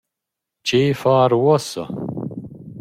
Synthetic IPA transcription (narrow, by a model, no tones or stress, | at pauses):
t͡ʃʰejfaːɾwɔsɐ̰